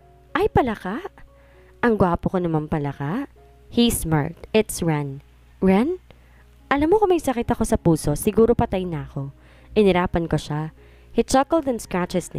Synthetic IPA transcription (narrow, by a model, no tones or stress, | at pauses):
ʔɐjpɐlɐkaʔ | ʔɐŋɡwaːpokonɐmɐmpɐlɐkaʔ | hisma̰ɹk̚t̪ɪt̪sɹan | ɹan | ʔɐlamːokomɐjsɐkɪt̪ɐko̞sɐpuːso̞sɪɡuːɾo̞pɐt̪ajnɐɐko̞ | ʔɪnɪɾaːpɐnkoʃa | hit͡ʃɐkɛld̪ɛnskɹat͡ʃɛsnɪ̰